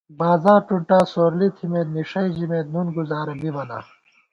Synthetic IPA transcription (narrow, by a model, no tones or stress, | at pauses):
baːzaːɾʈuɳʈaːsoːɾlit̪ʰimeːt̪niʂɐid͡ʑimeːt̪nunɡuzaːɾɐbimɐna̰ː